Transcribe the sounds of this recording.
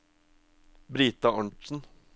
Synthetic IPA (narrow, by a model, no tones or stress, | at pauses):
bɾiːt̪ɑɑɳʈsn̩